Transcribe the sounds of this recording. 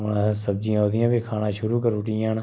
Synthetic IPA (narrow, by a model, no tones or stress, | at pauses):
onãːsəb̚d͡ʒiãːɦoːd̪ɪjãːbikʰaːnãːʃʊɾuːkəɾʊʈijãːn